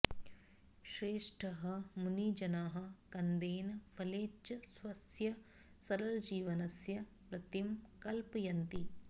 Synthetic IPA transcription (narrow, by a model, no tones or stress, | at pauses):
ʃɾeːʂʈʰɐɦɐmunid͡ʒɐnaːɦɐ̆kɐnd̪eːnɐpʰɐleːt͡ʃɐsʋɐsjɐ | sɐɾɐld͡ʒiːʋɐnɐsjɐ | pɾɐt̪imkɐlpɐjɐnt̪i